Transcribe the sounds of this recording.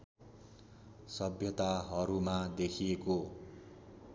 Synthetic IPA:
sʌbʱjʌt̪aɦʌɾumad̪ekʰieko

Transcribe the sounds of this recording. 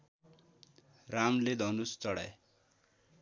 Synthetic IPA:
ɾamled̪ʱʌnust͡sʌɽa̰j

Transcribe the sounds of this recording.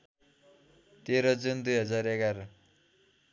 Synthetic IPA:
t̪eɾʌd͡zund̪ujɦʌd͡zarekaɾʌ

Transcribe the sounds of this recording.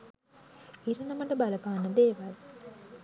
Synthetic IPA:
iɾənɐməʈəbaləpaːnːəd̪eːʋal

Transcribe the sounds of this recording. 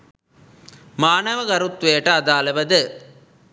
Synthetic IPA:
maːnɐʋəɡɐɾut̪ʋejɐʈəad̪aːlɐʋɐd̪ɨ

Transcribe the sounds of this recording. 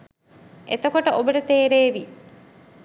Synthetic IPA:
ʔet̪okoʈəʔobəʈət̪eːɾeːʋi

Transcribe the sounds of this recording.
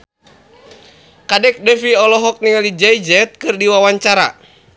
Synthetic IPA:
kadɛk̚dɛfiɔlɔɦɔk̚niŋalid͡ʒaid͡ʒɛt̪̚kɨrdiwawaɲt͡ʃaɾa

